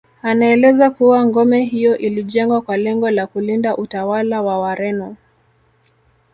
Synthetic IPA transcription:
anaɛlɛzakuwaŋɡɔmɛɦijɔʔiliʄɛŋɡwakwalɛŋɡɔlakulindaʔutawalawawaɾɛnɔ

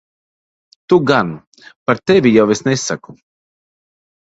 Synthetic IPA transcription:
t̪uɡan | paɾt̪evʲijawesnesaku

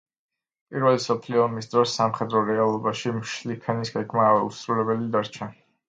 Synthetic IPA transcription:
pʼiɾvɛlisɔpʰliɔːmisd̪ɾɔsːamχɛd̪ɾɔɾɛalˠɔbaʃimʃlipʰɛnisɡɛɡmaṵsɾulɛbɛlid̪aɾt͡ʃʰa

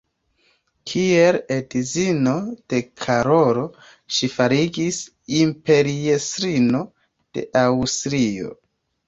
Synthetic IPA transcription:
kʰieledizino̞d̥e̞kʰaɾoɾo̞ | ʃifaɾiɡis | impe̞ɾiestɾino̞ | d̥e̞̰ʔawstɾio̞̰

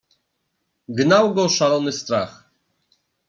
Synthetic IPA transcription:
ɡnawɡɔʂalɔnɘst̪ɾax

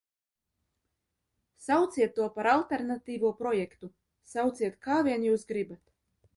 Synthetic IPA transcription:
sawt̪siɛt̪ːuɔpaɾalˠt̪eɾnat̪ʲiːvuɔpɾɔjɛkt̪u | sawt̪siɛt̪kaːvʲiɛnjuːsɡɾibat̪

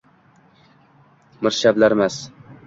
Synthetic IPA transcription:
mɪɾʃablaɾmas

